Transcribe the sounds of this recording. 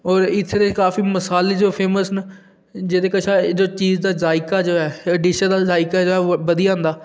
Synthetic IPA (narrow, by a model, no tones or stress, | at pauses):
ɔːɾɪt̪ʰːeːd̪ekaːfiːməsaːleːd͡ʒoːpʰeːməsn | d͡ʒeːd̪eːkət͡ʃʰaːd͡ʒoːt͡ʃiːzd̪aːzaːɪkaːd͡ʒoːɛːəɖiːʃəd̪aːzaːɪkaːd͡ʒoːɛːʋəd̪ijãːnd̪aː